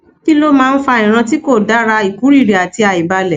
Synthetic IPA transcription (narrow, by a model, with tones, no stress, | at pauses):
ki˦lo˦mãː˦˧n̩˦fa˧ĩ˨ɾ̃ã˧ti˦ko˦˨da˨˦ɾa˧i˨ku˨˦ɾi˦˨ɾi˨a˨ti˧a˨i˨ba˧lɛ˨